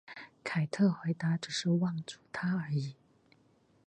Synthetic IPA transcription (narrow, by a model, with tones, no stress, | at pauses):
kʰa˨˩ɪt̪ʰɤ˥˩xwe˧˥ɪt̪a˧˥ʈ͡ʂɻ̩˨˩ʂɻ̩˥˧wɑ˥˩ŋt͡su˨˩t̪ʰa˥ə˧˥i˨˩˦